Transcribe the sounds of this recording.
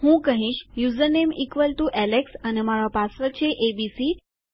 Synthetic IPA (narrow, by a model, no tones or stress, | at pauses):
hũkəɦĩʃjuzəɾnemikʋəlt̪uʔɛleksənemaɾapasʋət͡ʃʰeʔebisi